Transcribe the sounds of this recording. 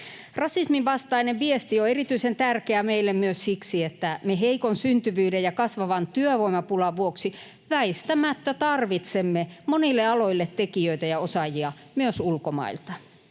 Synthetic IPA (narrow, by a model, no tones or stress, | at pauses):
rɑsismiʋʋɑst̪ɑineʋʋiest̪ioerit̪yisent̪ærkeæmeilːemmyøssiksiet̪ːæmeɦeikonsynt̪yʋyːdejɑkɑsʋɑʋɑnt̪yøʋoimɑpulɑʋuoksi | ʋæist̪æmæt̪ːæt̪ɑrʋit̪semːemonilːeɑloilːet̪tːekiøit̪æjɑosɑjiɑ | myøsulkomɑ̰ilt̪ɑ